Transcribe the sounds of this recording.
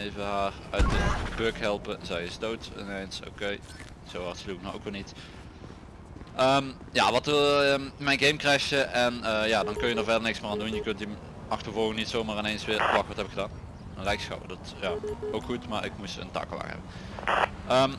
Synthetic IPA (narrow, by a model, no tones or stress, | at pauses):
ejvəɦaːrœɥt̚əb̥økɦɛlˠpəzɛjɪsdowtɪ̰nejnso̰wkej | z̥owɑrtsluk̚nao̰wkʋɪlˠnit | ʔəm | ja̰ːʋɑtː | mɛjnɡejmkrɛjxjəʔɛnəjaːdɑnkɵnjədəːɹvɛdənɪksmɪːaːndunjəkɵnti | ɑxtərvolˠɣənitsowmaːrɪnejnsʋɪːɹflɑkʋɑtɛpɪkxədaːn | nlɛjksxɑ̰wədɑtjaːowkxutmaːɹɪkmusə̰ntɑ̰kəlɑ̰xhɛ̰bə | əːm